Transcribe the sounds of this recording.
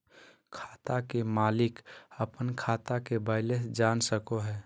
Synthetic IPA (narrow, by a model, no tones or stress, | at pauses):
kʰḁːt̪akemaːlɪkəpənkʰaːt̪akebəɪlesd͡ʒaːnsəkoɦɛː